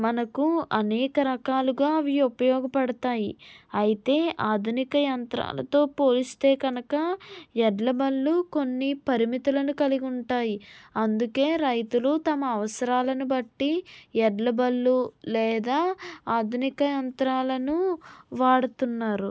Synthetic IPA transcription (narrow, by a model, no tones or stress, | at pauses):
mɐnɐkuɐnɛːkɐɾɐkaːluɡaːʋijupɐjɔːɡɐpɐɽɐt̪aːjiɐjit̪e̞ːʔaːd̪ʱunikɐjɐnt̪ɾa̰ːlɐ̰t̪o̞ːpo̞ːlist̪e̞ːɡɐnɐkɐɛɖlɐbɐlːuko̞nːipɐɾimit̪ulɐnukɐliɡuɳʈaːjiɐnd̪uke̞ːɾɐjt̪ulut̪ɐmɐːʋɐsɐɾaːlɐnubɐʈːiɛɖlɐbɐlːulɛːd̪aːaːd̪ʱunikɐjɐnt̪ɾaːlɐnuʋaːɽut̪unːaːɾu